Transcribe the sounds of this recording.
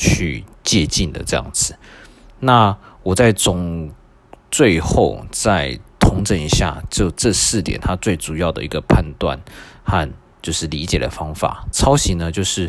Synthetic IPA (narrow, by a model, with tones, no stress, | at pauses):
t͡ɕʰy˥˩t͡ɕjɛ˥˧t͡ɕi˥˩nd̪ə̰˩ʈ͡ʂɤ˥˧jɑ̰˥˩ŋd͡zɹ̩˨˩ | na˥˩wɔ˨˩t͡sa˥˩ɪt͡sʊ˨˩ŋ | t͡swe˥˧ɪxo˥˧ʊt͡sa˥˧ɪt̪ʰʊ˧˥ŋʈ͡ʂə˨˦ŋi˧˥ɕja̰˥˩t͡ɕjo˥˧ʊʈ͡ʂɤ˥˧sɹ̩˥˩t̪jɛ̰˨˩nt̪ʰa˥t͡swe˥˩ɪʈ͡ʂu˨˩jɑ˥˩ʊd̪ə̰˩i˧˥ɡə˧pʰa˥˧nt̪wa̰˥˨nxa˥˧n | t͡ɕjo˥˧ʊʂɻ̩˥˩li˧˥t͡ɕjɛ˨˩d̪ə̰˩fɑ˥ŋfa̰˨˩t͡sʰɑ˥ʊɕi˧˥nə˧t͡ɕjo˥˧ʊʂɻ̩˥˩